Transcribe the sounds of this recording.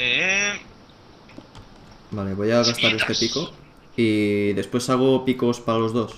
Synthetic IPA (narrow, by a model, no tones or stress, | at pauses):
e | bale̞βo̞jaɣ̞ast̪aɾe̞st̪e̞piko̞ | iðe̞spwe̞saɣ̞opiko̞spaɾalo̞zðo̞s